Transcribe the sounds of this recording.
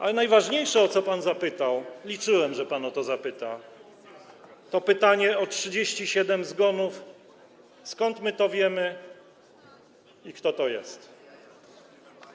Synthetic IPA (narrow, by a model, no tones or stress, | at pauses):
ʔa̰lɛnajvaʐɲejʂɛɔt̪sɔpanzapɘt̪awlʲit͡ʂɘwɛmʐɛpanɔt̪ɔzapɘt̪a | t̪ɔpɘt̪aɲɛɔtʂɘd͡ʑeɕt͡ɕiɕɛd̪ɛmzɡɔnuf | skɔnt̪mɘt̪ɔvʲjɛmɘ | ikt̪ɔt̪ɔjɛ̰st̪